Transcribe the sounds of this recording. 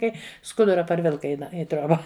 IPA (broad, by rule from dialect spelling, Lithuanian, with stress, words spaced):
ˈkɐɪ ˈskʊdʊrɐ pɐrʲˈʋʲɪlˠkɐ ɪ ˈnɐ ɪ ˈtʲrʲoːbɐ